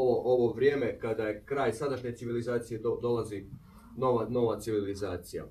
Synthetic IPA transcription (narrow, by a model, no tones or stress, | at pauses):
ooʔoʋo̞ʋɾje̞ːme̞kad̪aekɾaːjsad̪aʃɲe̞tsiʋilizaːt̪sije̞od̪o̞lˠazi | noʋano̞ʋat̪siʋilizaːt̪sija̰